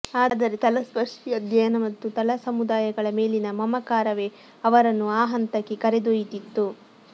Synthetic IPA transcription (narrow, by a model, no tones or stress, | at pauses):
aːd̪ɐɾet̪ɐlɐspɐʂijɐd̪jɐjɐnɐmɐt̪ːut̪ɐlɐsɐmud̪aːjɐɡɐɭɐme̞ːlinɐmɐmɐkaːɾɐʋeː | ɐʋɐɾɐnːuaːɦɐnt̪ɐkːekɐɾed̪ojit̪it̪ːu